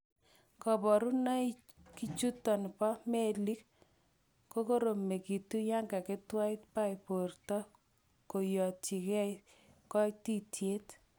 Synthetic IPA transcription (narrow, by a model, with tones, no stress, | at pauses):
kɔ˨bɔ˨ɾu˦na˦i | ki˦t͡ʃu˦tɔ˨npa˦me˦li˦k | ko˦ko˦ɾo˨me˨ki˨tu˦ja˦ŋɡa˨kɪ˦twa˦ɪ˦tpa˦ɪ˨po˨rtɔ˦ | ko˨jɔ˨ti˨kɛ˦j | kɔ˦ti˦tje˦t